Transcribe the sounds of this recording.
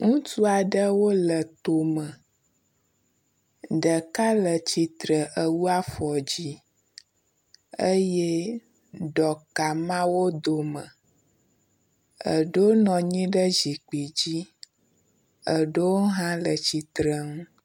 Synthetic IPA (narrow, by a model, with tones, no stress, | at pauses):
ŋũ˦tu˦a˨ɖə˦wo˦lə˨t̪o˨mə˨ | ɖə˨ka˦lə˨t͡ɕi˨t̪ɾə˨ʔə˦wu˦a˦fɔ˨d͡ʑi˦ | ə˦je˦ | ɖɔ˨ka˨mã˦wo˦d̪o˨mə̃˨ | ə̰˨ɖo˦nɔ̃˨ɲĩ˦ɖə˦d͡ʒi˨k͡pi˨d͡ʑi˦ | ə˨ɖo˦wo˦ɦã˦lə˨t͡ɕi˨t̪ɾə˦ŋ˦